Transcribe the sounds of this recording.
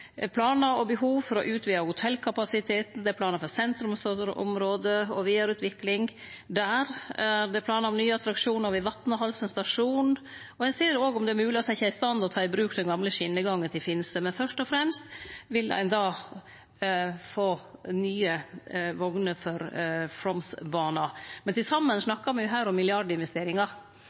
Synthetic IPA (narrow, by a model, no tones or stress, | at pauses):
pʰlɑːnəɾɔbəɦuːʋfɔɾɔʔʉːt̪ʰʋiːɑhʊt̪ʰɛlːkʰɑpɑsɪt̪ʰeːt̪n̩d̪ɛæpʰlɑːnəɾfɔɾsɛnt̪ɾʉmsoəɾ̰ʔɔ̰mɾoːd̪əɔʋiːɑɾʉːt̪ʰʋɪklɪŋ | d̪æːɾæd̪ɛpʰlɑːnəɾɔmnyːəɑt̪ʰɾɑkʂuːnɔɾʋɪʋɑt̪nəɦɑlsənst̪ɑʂuːn | ɔɛnseːɾoːɡɔmd̪ɛæɾmʉːlɪɔsæɪçːəæɪst̪ɑnːɔt̪ʰɑːɪbɾʉːkd̪ɛnɡɑmləʂɪnːəɡɑŋːənt̪ɪlfɪnsəmɛnfœʂʈɔfɾɛmst̪ʋɪlæ̰ɪnd̪ɑː | foːnyːəʋɔɡnəfɔɾfɾɔmsbɑːnɑmɛnt̪ɪlsɑmːənsnɑkːɑɾmɛjʊɦæːɾɔmːɪlɪɑɖəɪnʋɛst̪eːɾɪŋɑ